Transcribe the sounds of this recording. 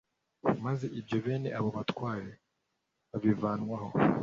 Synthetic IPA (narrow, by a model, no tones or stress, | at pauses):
maze̞ʔibjo̞βe̞ːne̞̰ʔaβoβatwaːɾe | βaβivaːnŋwaho